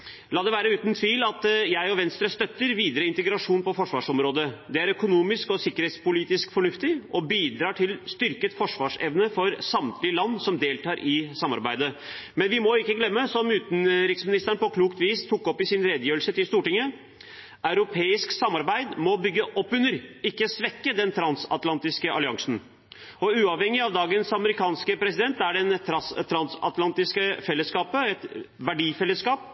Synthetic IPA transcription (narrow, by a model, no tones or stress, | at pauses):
lɑːd̪ɛʋæːɾəʉːt̪nt̪ʰʋiːlɑt̪jæɪɔʋɛnst̪ɾəst̪œt̪ːəɾʋiːd̪əɾəɪnt̪əɡɾɑʂuːnpɔfɔʂʋɑːʂɔmɾoːd̪əd̪ɛæɾœkʊnuːmɪskɔsɪkːəɾheːt̪spʊliːt̪ɪskfɔɳʉft̪ɪʔɔbiːd̪ɾɑːʈʰɪlst̪ʏɾkət̪fɔʂʋɑːʂɛ̰ʋnəfɔɾsɑmt̪ʰlɪəlɑnːsɔmd̪eːlt̪ʰɑːɾʔɪsɑmːɑ̰ɾbæɪd̪əmɛnʋɪmɔɪkːəɡlɛmːəsɔmʉːt̪n̩ɾɪksmɪnɪst̪əɳpɔkʰluːkt̪ʋiːst̪ʰʊkːɔpːɪsɪnɾɛd̪əjøːəlsət̪ɪlst̪uːʈɪŋːə | ɑʉɾʊpʰeːɪsksɑmːɑɾbæɪd̪mɔbʏɡːəʔɔpːʉnːəɾɪkːəsʋɛkːəd̪ɛnt̪ʰɾɑnsɑ̰t̪lɑnt̪ɪskəʔɑ̰lɪɑŋsn̩ | ɔʉːɑʋhɛŋːɪɑʋd̪ɑːɡənsɑməɾɪkʰɑːnskəpʰɾɛsɪd̪ɛnt̪ːæɖɛnt̪ʰɾɑst̪ʰɾɑnsɑ̰t̪lɑnt̪ɪskəfɛlːəskɑːpəɛt̪ʋæɖiːfɛlːəskɑːp̚